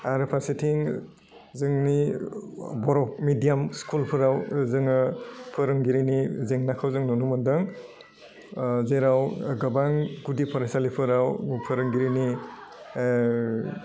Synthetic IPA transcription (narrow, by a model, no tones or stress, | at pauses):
aɾpʰasitʰiŋ | zɯŋni | bɔɾɔkmidijamskulpʰɯɾawzɯŋɯpʰɯɾɯŋɡiɾinizeŋnakʰawzɯŋnɔnumɯdɯŋ | zeɾawɡabaŋɡudipʰɔɾasalipʰɯɾawpʰɯɾɯŋɡiɾini